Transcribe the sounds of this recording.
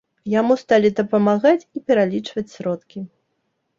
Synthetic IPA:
jamust̪alʲid̪ɐpɐmaɣat͡sʲipʲɛɾalʲit͡ʂvɐt͡sʲsʲɾɔt̪kʲi

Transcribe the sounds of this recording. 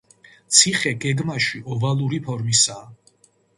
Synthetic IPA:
t̪sʰiχɛɡɛɡmaʃiʔɔvalˠuɾipʰɔɾmisaː

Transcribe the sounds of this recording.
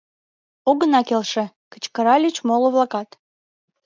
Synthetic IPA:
oɣənɑkelʃĕ | kə̥̆t͡ɕkəɾɑlʲyt͡ɕmolŏβlˠɑkɑt̪

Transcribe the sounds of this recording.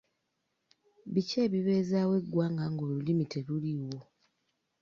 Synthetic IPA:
βice̞ːβiβe̞zawe̞ɡwaːŋɡaŋɡo̞lulimitʰeluliwo̞

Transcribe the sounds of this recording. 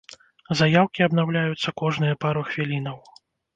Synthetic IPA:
zajawkʲiɐbn̪awlʲajut̪sːɐkɔʐnɨjɐpaɾuxvʲilʲinɐw

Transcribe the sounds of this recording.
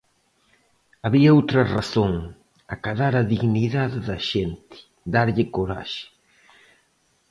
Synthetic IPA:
aβiɐowt̪ɾɐraθoŋ | akaðaɾaðiɣniðaðɪðɐʃent̪ɪ̥ | d̪aɾʎɪkoɾa̰ʃɪ̥

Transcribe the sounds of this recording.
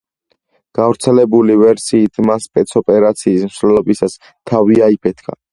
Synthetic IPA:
ɡ̥avɾt̪sʰɛlɛbulivɛɾsiːt̪ʰmaspʼɛt̪sʰɔpʼɛɾat̪sʰiːsmsvɛlˠɔbisas | t̪ʰaviaipʰɛt̪ʰkʰa̰

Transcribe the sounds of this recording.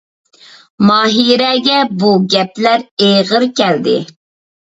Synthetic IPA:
mɑːɦiɾɛɡʲɛbuɡʲɛplæɾejʁəɾkʲɛld̪ɪ̰

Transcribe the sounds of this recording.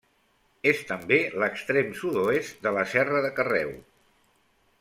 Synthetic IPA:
est̪əmbeləkst̪ɾemsuðoest̪̚d̪ələsɛrəðəkərɛw

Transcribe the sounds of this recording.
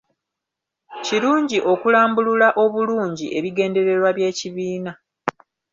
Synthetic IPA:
ciɾuːɲɟiʔo̞kulaːmbululaʔo̞βuluːɲɟiʔe̞βiɡe̞ːnde̞ɾe̞ɾwaβje̞ːciβiːna

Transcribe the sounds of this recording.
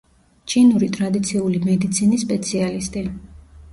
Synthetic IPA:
t͡ʃʰinuɾit̪ʼɾad̪it̪sʰiulimɛd̪it̪sʰinisːpʼɛt̪sʰialist̪ʼi

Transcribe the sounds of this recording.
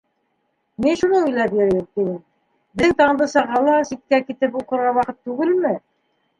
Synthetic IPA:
minʃunɤujlæpjɵ̆ɾɘjɘmt̪inɘm | bɘ̆ŋt̪ɑɴd̪ɤsɑʁɑlˠɑsit̪̚kækit̪ɘpuqɤ̆ɾʁɑwɑqɤt̪ːʉɡɘlmɘ

